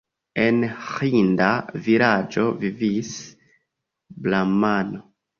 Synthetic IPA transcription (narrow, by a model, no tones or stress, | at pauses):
enxindaviɾad͡ʒo̞vivis | blamano